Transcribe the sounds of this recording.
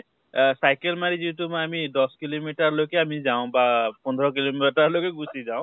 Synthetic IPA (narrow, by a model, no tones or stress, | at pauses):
sajkɛlmaɹizitumajamidɔskilomitaɹlojkɛamizaʊ̃bapɔnd̪ʱɾɔk̬ilomtaɹlojkɛɡusizawʊ̃